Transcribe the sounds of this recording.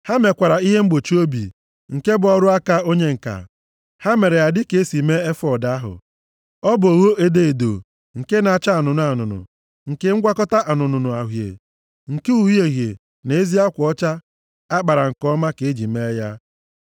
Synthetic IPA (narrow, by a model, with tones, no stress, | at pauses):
ha˦me˨kʷa˨ɾa˨i˦ɦe˦ŋ͡m̩˦ɡ͡bo˨t͡ʃu˦o˦bḭ˨ | ŋ̩˨ke˦bʊ˨ɔ˦ɾʊ˦a˦ka˦o˦ɲe˦ŋ̩˨ka̰˨ | ha˦me˨ɾe˨ja˨dɪ˦ke˨e˦si˨me˦e˦fɔ˦˨da˦a˦ɦʊ̰˨ | ɔ˦bo˨ɣo˦ʔe˦de˦e˨do̰˨ | ŋ̩˨ke˦na˨a˨t͡ʃa˦a˨nʊ˨nʊ˦a˨nʊ̰˨nʊ̰˨ | ŋ̩˨ke˦ŋ̩˦ɡʷa˦kɔ˦ta˦ʔa˨nʊ˨nʊ˨nʊ˨a˨ɦjḛ˨ | ŋ̩˨ke˦u˨ɦje˨ɣjḛ˨ | ne˨e˦zi˦a˦kʷʊ˨ɔ˦t͡ʃa˦ | a˦k͡pa˨ɾa˨ŋ̩˨kɔ˦ma˦ke˨e˦d͡ʒi˨me˦ja˦